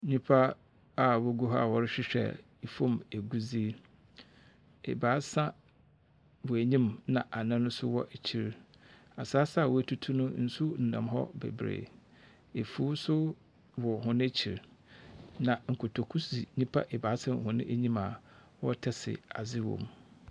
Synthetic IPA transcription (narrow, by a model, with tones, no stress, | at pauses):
ɲĩ˦pʰa˦ | a˨wɔ˦ɡu˦ɦɔ˦a˨wɔ˨ɾɪ˦ɕᶣɪ˦ɕᶣɛ̰˨ | i˨fõ˦mæ˨ɡu˦zi˦ | ɛ̰˨baː˨˦sã˦ | wɔ˨æ˨ɲĩ˦mnã˨ʔa˨nã˦nʊ̃˦sʊ̰˦wɔ̰˦ʔæ˨t͡ɕʰi˨ɾ | a˨saː˦sa˦˨wɔ˨æ˨tʰu˦tʰu˦nʊ̃˦n̩˨sʊ˦n̩˨nã̰˨mɦɔ̰˦bɛ̰˨bɾḛː˨ | e˨fu˦sʊ˦ | wɔ˨ɦʊ̃˦nʊ̃˦t͡ɕʰi˨ɾ | nã˨ŋ̩˨kʰʊ˨tʰo˨kʰu˦si˨ɲĩ˦pʰa̰˦ʔɛ˨ba˨˦sã˦m˨hʊ̃˦nʊ̃ɪ̃˦ʔæ˦ɲĩ˦ma˨wɔ˦tʰɛ˦sɪ̰˨a̰˨zɪ˦wɔ̰̃˨m